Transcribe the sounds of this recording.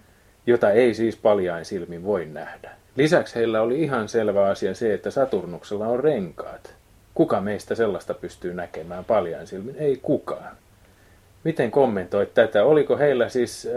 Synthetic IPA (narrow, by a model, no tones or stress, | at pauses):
jot̪ɑeisiːspɑljɑinsilmiʋʋoinnæhdæ̥ | lisæksheilːæoliihɑnselʋæɑsiɑseet̪ːæsɑt̪urnukselːɑorreŋkɑ̰ːt̪ | kukɑmeist̪æselːɑst̪ɑpyst̪yːnækemæːmpɑljɑinsilmineikukɑːn | mit̪eŋkomːent̪oit̪t̪æt̪æolikoheilːæsiːs